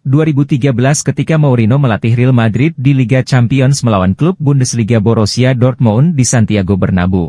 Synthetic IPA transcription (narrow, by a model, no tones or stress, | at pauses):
duaɾibut̪iɡabəlaskət̪ikamawɾinoməlat̪ɪɦrilmadɾɪt̪̚diliɡat͡ʃampiɔnsməlawanklup̚bundəsliɡaboɾosiadɔrt̪̚moundisant̪iaɡobərna̰bo